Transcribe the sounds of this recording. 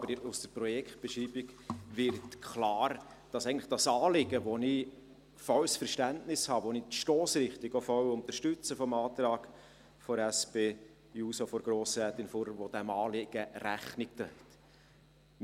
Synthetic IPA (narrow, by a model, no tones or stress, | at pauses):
bəɾusd̥əprɔjɛkχt̚b̥ɛʃriːbiɡvɪɾtkʰlɑːɾ | d̥ɑsɛɪɡəntləχd̥ɑsɑːlɪɡəʋonɪ | fɔwsfəɾʃtæntnɪshɑːʋonitʃtɔːsɾɪχtɪɡofɔwʊnt̪əɾʃtʏt͡səfɔmɑːt̪ɾɑːɡ̥ | fɔɾæsb̥eː | juːsofɔɾɡ̥ɾoːsɾæːt̪ɪnfɔɾvod̥̪æmɑːlɪɡ̥əɾæχnɪk̚t̪ɛɛt̪